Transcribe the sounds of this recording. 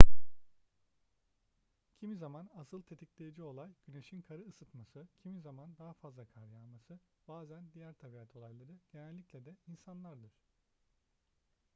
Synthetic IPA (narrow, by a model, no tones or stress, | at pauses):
cʰimizamanasɯlˠt̪ʰe̞t̪ʰiclʲejid͡ʒio̞lˠajɟyne̞ʃinkʰaɾɯːsɯt̪masɯcʰimizamand̪aɦafazlˠakʰaɾjamasɯ | baːzænd̪ijæɾt̪ʰabiat̪ʰo̞lˠajlˠaɾɯɟ̥e̞nælʲːiclʲɛd̪ɛinsanlˠaɾd̪ɯɾ̥